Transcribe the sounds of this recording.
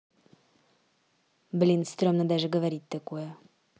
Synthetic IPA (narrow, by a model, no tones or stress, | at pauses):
blʲinst̪ɾɔmnɐd̪ɛʒəɡəvɐɾit̪ːəkuɛ